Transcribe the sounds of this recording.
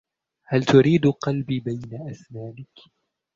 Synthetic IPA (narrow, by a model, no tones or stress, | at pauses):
halt̪ʊɾiːd̪qɑlbiːbajnaʔasnaːnɪk